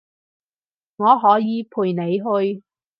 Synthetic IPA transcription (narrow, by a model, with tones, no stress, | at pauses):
ŋɔː˨˧ɦɔː˨˥jiː˨˧pʰuː˨jne˨˧jɦɵ˧ɥ